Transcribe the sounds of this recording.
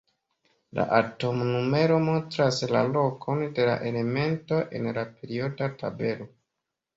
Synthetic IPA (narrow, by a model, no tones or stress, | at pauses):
la̰ʔato̞mnume̞ɾo̞mo̞ntɾasla̰lokʰo̞nde̞la̰ʔe̞le̞me̞nto̞ʔe̞̰nlape̞ɾio̞databe̞lo